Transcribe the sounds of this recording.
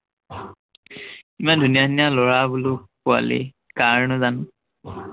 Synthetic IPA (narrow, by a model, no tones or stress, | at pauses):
imandʱunijadinijalɔɹabulʊpua̰lḛ | kaɹnʊzan